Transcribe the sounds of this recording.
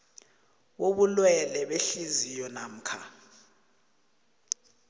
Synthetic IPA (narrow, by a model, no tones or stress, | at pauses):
woɓulwɛlɛɓeɬizijɔnam̩kʰa̰